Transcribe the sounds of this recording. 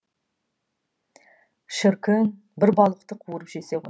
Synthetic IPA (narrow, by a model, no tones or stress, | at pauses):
ʃɪɾkʲʰɪn | bɪɾbɑlˠəqt̪əqʰuəɾəpʒese̞ʁo